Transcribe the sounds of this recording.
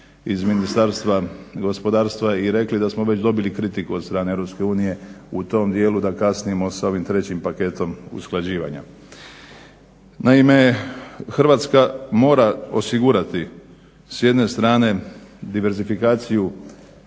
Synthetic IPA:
izminist̪aːɾst̪ʋaɡo̞spo̞d̪aːɾst̪ʋaiɾe̞klid̪asmo̞ʋe̞t͡ɕd̪o̞bilikɾit̪ikuot̪st̪ɾaːneeɾo̞pske̞uːnije̞ut̪o̞md̪je̞ːlud̪akasnijemo̞sao̞ʋimt̪ɾe̞t͡ɕimpake̞t̪o̞mṵsklˠad͡ʑiːʋa̰ɲa̰ | naimexr̩ʋaːt̪skamo̞ːɾao̞siɡuɾat̪i | sje̞d̪ne̞st̪ɾaːne̞d̪iʋe̞ɾzifikaːt̪siju

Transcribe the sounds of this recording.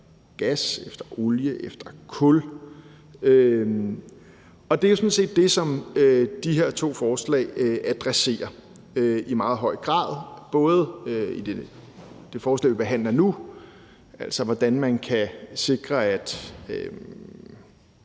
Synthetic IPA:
ɡ̥æsefd̥ɐʔo̝ljəʔefd̥ɐkʰɔl | ø | ɒ̽d̥e̝josɒ̽nse̝̰ːd̥̚ːe̝sɒ̽mød̥iɦe̝ɐ̰t͡sʰo̝̰ːfɒːslɛ̰ːɪʔæd̥ʁɛse̝̰ːɐ | øimɑ̈ːðˠɦɒ̽ɪ̰ɡ̥ʁɑ̰̈ːð̞ˠb̥ɔ̽ːð̞̩ˠøid̥e | d̥e̝fɒːslɛ̰ːʋib̥e̝ɦæn̰lɐnu | ʔæl̰sɒʋɒd̥ænmænkʰæse̝ɡ̥ʁɐæd̥ø

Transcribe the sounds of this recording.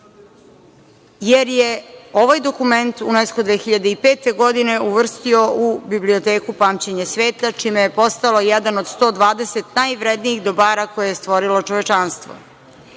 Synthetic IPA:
jeɾjeo̞ʋajd̪o̞kume̞nt̪uneskud̪ʋeːxiʎad̪eipeːt̪e̞ɡo̞d̪ine̞uʋr̩st̪io̞ubibliot̪eːkupaːmt͡ɕeɲesʋeːt̪at͡ʃiːmejepo̞st̪alo̞jɛd̪anod̪st̪o̞ːd̪ʋaːd̪eset̪najʋɾed̪nijiɣd̪obaːɾako̞jejest̪ʋo̞ɾilo̞t͡ʃoʋet͡ʃanst̪ʋo̰

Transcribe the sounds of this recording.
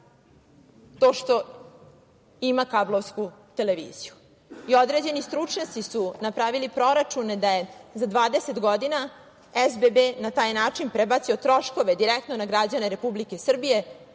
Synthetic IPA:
t̪o̞ːʃt̪o̞ | imakablˠoʋskut̪e̞leʋḭːziju | io̞d̪ɾe̞d͡ʑe̞nist̪ɾut͡ʂɲat̪sisunapɾaʋilipɾo̞ɾat͡ʃuned̪aje̞zad̪ʋaːd̪ese̞t̪ɡo̞d̪ina | ezbebenat̪aːjnaːt͡ʂinpɾebat̪sio̞t̪ɾo̞ʃko̞ʋed̪iɾekt̪nonaɡɾad͡ʑane̞ɾe̞publike̞sr̩bije̞

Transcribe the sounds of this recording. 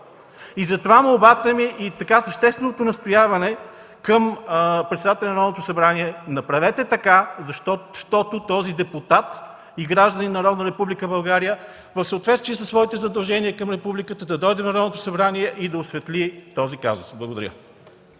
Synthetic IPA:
izɐt̪ovamɐlbat̪ɛmiʔit̪ɐkasəʃt̪ɛst̪vɛnot̪ʊnɐst̪ojavɐnɛ | kəmpɾɛt̪sd̪at̪ɛlʲɛnɐɾɔd̪not̪ʊsɐbɾaniɛnɐpɾɐvɛt̪ɛt̪ɐkazɐʃt̪ɔʃt̪ɔt̪ʊt̪ɔzid̪ɛput̪at̪ | iɡɾaʒd̪ɐninɐɾɔd̪nəɾɛpublikəbɐlˠɡaɾijə | vəfsəot̪vɛt̪st̪viəsəsvɔit̪ɛzɐd̪ɐlˠʒɛniəkɐmɾɛpublikət̪əd̪ɐd̪ɔjd̪ɛnɐɾɔd̪not̪ʊ̥sɐbɾaniɛʔid̪ɐʊsvɛt̪lit̪ɔzika̰zʊ̰sblˠɐɡod̪ɐ̰ɾʲə̰

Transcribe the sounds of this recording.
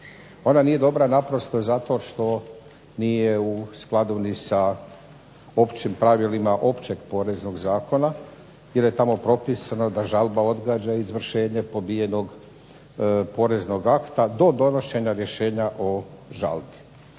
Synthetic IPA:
o̞nanije̞d̪o̞bɾanapɾo̞st̪ozat̪o̞ʃt̪o̞ | nije̞usklˠad̪unisa | o̞pt͡ʃimpɾaʋilimaʔo̞pt͡ɕe̞ɡpo̞ːɾe̞zno̞ɡzaːkʰo̞na | jelje̞t̪amo̞pɾo̞pisanod̪aʒalˠbao̞d̪ɡaːd͡ʑaizʋr̩ʃe̞ːɲepo̞bije̞no̞ɡ | po̞ːɾe̞zno̞ɡakt̪ad̪o̞d̪o̞no̞ʃe̞ɲaɾje̞ʃe̞ːɲaʔo̞ʒa̰lbi

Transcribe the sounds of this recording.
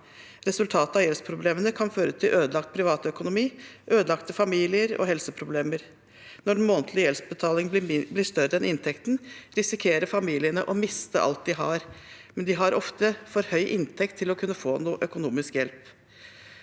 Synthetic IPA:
ɾɛsʉlt̪ʰɑːt̪əɑjɛlspʰɾʊbleːmənəkʰɑnføːɾət̪ʰɪlʔøːd̪əlɑkt̪̚pʰɾɪʋɑːt̪œkʊnʊmiːʔøːd̪əlɑkt̪əfɑmiːlɪəɾɔ̰ɦɛlsəpʰɾʊbleːməɾ | nɔɾmoːnt̪ʰlɪjɛlsbət̪ʰɑːlɪŋblɪʂt̪œɾəɛnʔɪnt̪ʰɛkt̪n̩ɾɪsɪkʰeːɾəfɑmiːlɪənəʔɔmɪst̪ə̰ʔɑ̰lt̪̚d̪ɪɦɑɾmɛnd̪ɪɦɑɾʔɔft̪əfɔɾhœʏʔɪnt̪ʰɛkt̪ʰːɪlɔkʰʉnːəfoːnuːʔœkʊnuːmɪskjɛlp

